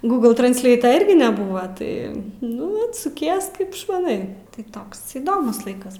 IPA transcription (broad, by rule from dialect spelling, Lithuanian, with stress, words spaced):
ˈɡuːɡlˠ trɐnʲsʲˈlʲɛɪtoː ˈɪrʲɡʲɪ nʲɛˈbʊʋoː ˈtɐɪ ˈnʊ ˈɪ sʊˈkʲiɛs ˈkɐɪp ɪʃmɐˈnɐɪ tɐɪ ˈtoːks iːˈdoːmʊs ˈlˠɐɪkɐs